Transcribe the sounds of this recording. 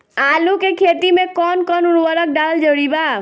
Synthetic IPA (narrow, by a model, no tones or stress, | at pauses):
aːlukekʰeːt̪imẽkɔːnkɔːnʊɾʋəɾək̚ɖaːld͡ʒəɽibaː